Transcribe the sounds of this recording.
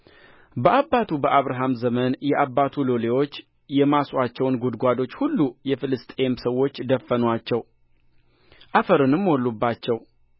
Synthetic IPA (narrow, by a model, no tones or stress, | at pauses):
bəʔabːat̪ʰubəʔaβɾaɦamzəmənjɛʔabːat̪ʰulolewo̞t͡ʃː | jɛmaswat͡ʃːɛwnɡud̪ɡʷad̪o̞t͡ʃːhulːujɛfɨlɨst̪ʼe̞msəwːo̞t͡ʃːd̪əfːənwat͡ʃːɛw | ʔafəɾɨnɨmːwɔlːubːat͡ʃːɛw